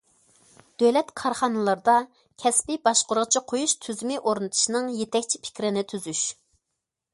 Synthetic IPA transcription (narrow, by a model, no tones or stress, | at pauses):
d̪̥ølɛt̪kʰɑɾχɑnɨlˠɑɾd̪ɑ | kʲʰɛspibɑʃqʊɾʁət͡ʃʰiqʰojuʃt̪ʰyzmɪʔoɾnɨt̪ʰɨ̥ʃnɨŋjet̪ʰɛkʲt͡ʃʰipʰɪ̥kʲɾɪnɪt̪ʰyzyʃ